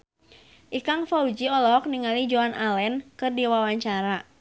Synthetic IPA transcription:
ʔikaŋfaud͡ʒiɔlɔk̚niŋalid͡ʒuanʔalɛnkɨrdiwawaɲt͡ʃaɾa

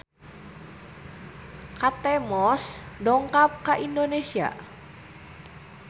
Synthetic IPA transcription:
kat̪ɛmɔsdɔŋkap̚kaʔindonesia̰

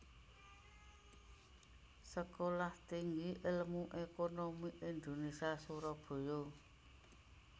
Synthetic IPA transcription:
səkolaht̪iŋɡiʔɪlmuʔekonomiʔind̪onesiasuɾɔb̥o̤jo

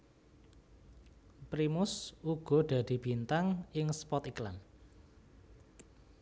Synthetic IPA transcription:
pɾimʊsuɡ̥ɔ̤d̪̥ä̤d̪̥i̤b̥i̤nt̪aŋɪŋspɔt̪iklan

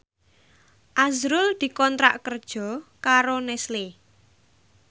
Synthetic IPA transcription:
ʔazɾʊld̪̥i̤kɔnt̪ɾa̰ʔkərd̥ʒ̥ɔ̤kaɾonɛsle

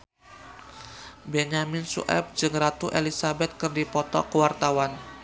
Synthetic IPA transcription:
bɛɲamɪnsṵʔɛ̰p̚d͡ʒɨŋrat̪uʔelisabɛt̪̚kərdipɔt̪ɔkəwart̪awan

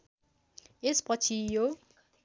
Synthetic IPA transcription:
espɔt͡ʃʰijo

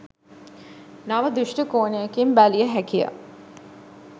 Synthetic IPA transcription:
naʋəd̪uʃʈəkoːnejɐkimbælijəɦækija̰

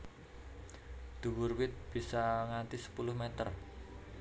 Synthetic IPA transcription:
d̪̥ṳwurwɪt̪̚b̥i̤saŋant̪isə̥pulʊhmet̪ər

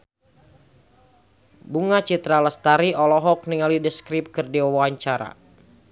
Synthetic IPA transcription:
buŋat͡ʃit̪ɾalast̪aɾiʔɔlɔɦɔk̚niŋalidəskɾip̚kɨrdiwawaaɲt͡ʃaɾa̰

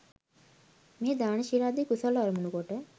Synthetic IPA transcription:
med̪aɽ̃ʃiɾad̪ikusɔlɔɾmunukɔʈe

